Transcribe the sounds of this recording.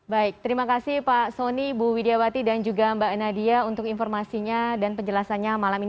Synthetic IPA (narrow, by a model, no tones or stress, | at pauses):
baɪk̚t̪əɾimakasɪhpasonibuwideawat̪idand͡ʒuɡambanadiaunt̪ʊkinfɔrmasiɲadanpəɲd͡ʒəlasanɲamalamin